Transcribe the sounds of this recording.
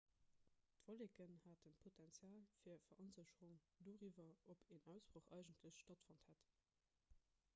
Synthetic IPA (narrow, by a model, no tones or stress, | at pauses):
tv̥olekənhaːtənpʰotʰɛnt͡sjaːlfiːɐfɐʔənzəɕəʁuŋ | doːʁivɐopʰeːnæʊsb̥ʁoχɑɪʒəntləɕʃtɑtfɑnthæt